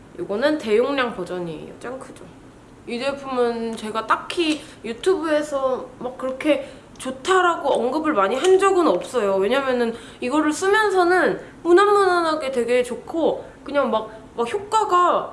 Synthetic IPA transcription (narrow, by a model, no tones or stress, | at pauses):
joɡʌnɯnte̞joŋɲaŋpʌd͡ʑʌɲio̰t͡ɕ͈aŋkʰɯd͡ʑo | idepʰumɯnt͡ɕe̞ɡat͈akʰi | jutʰubue̞sʰʌmak̚k͈ːɯɾʌkʰe̞ | t͡ɕotʰaɾaɡoʌŋɡɯbɯɭmaɲiɦand͡ʑʌɡɯnʌp̚s͈ʌjowe̞ɲamjʌnɯn | iɡʌɾɯɭs͈ɯmjʌnsʰʌnɯnmunanːʌnanaɡe̞twe̞ɡe̞t͡ɕokʰo | kɯɲaŋmak̚ | makçjok̚k͈aɡa